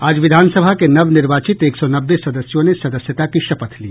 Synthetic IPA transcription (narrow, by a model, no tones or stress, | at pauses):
aːd͡ʒʋɪd̪ʱaːnsəbʱakenɐʋnɪɾʋaːt͡ʃɪt̪eːksɔnɐbːesɐd̪əsjõnesɐd̪əsjət̪akiʃɐpət̪ʰlḭː